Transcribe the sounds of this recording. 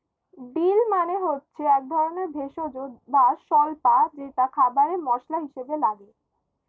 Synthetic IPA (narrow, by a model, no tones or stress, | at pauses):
ɖilmaneɦotːɕʰeɛk̚d̪ʱɔɾoneɾbʱeʃod͡ʑobaʃɔlpad͡ʑeʈakʰabaɾemɔʃlaɦiʃebelaɡe